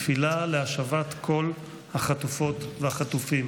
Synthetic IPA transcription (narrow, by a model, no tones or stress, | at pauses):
filaleaʃavat̪kʰo̞l | haχat̪ufo̞t̪vehaχatufim